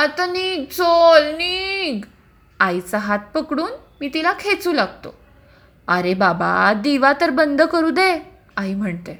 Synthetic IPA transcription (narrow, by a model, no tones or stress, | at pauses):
at̪əniːɡ̚t͡solniɡ | ajt͡saɦat̪̚pəkɽuːn | miːt̪ilakʰet͡suːlaɡt̪o̰ | əɾebaba̰d̪iʋat̪əɾbənd̪ʱəkəɾuːd̪e | aɦim̤əɳt̪e